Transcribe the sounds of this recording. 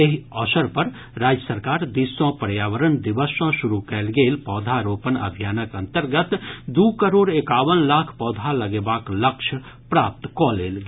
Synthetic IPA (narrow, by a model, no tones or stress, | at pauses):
eɦiɔːsəɾpəɾ | ɾaːd͡ʒjəsəɾkaːɾd̪iːsõpəɾjaːʋəɾənd̪ɪʋəsõʃʊɾukɛːlɡeːlpɔːd̪ʱaɾoːpənə̰bʱijaːnəkə̃nt̪əɾɡət̪d̪uːkəɾoːɽekaːʋənlaːkʰpɔːd̪ʱalɐɡeːbaːkləkʃʰ | pɾaːp̚t̪kɔːleːlɡ